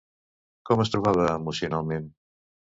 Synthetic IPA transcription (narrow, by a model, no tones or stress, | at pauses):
kɔməs̬t̪ɾuβaβəːmusjunalˠmẽn